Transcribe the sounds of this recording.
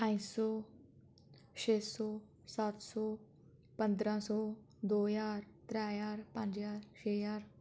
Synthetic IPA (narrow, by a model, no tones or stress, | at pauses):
pãĩsɔː | ʃeːsɔː | sat̪sɔː | pə̃nd̪ɾãːsɔː | d̪oːjaːɾt̪ɾɛːjaːɾpə̃ɲd͡ʒjaːɾʃeːjaːɾ